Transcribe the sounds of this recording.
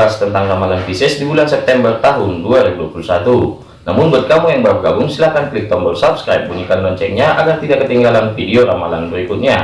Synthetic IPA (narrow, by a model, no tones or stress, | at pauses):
ast̪ənt̪aŋramalanfisɪsdibulansɛp̚t̪ɛmbərt̪aɦʊnduaɾibuduapulusat̪u | namʊnbuat̪̚kamujaŋbəɾap̚ɡaɡʊŋsilahkanklik̚t̪ɔmbərsabskɾajp̚buɲikanlɔɲt͡ʃɛŋɲaʔaɡart̪idaʔkːət̪iŋɡalanfideoɾamalanbəɾikʊt̪̚ɲa